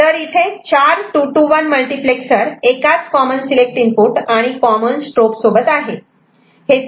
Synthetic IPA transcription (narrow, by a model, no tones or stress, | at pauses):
t̪əɾit̪ʰet͡ɕaɾʈuʈuʋanməlʈipleksəɾekat͡skɔmənsilek̚ʈinpuʈaɽ̃ikɔmənsʈɾopsobət̪aɦe | he